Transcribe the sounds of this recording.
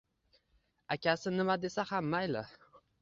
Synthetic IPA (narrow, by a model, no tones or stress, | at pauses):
akʲasɪnɪmad̪e̞sahamːajlɪ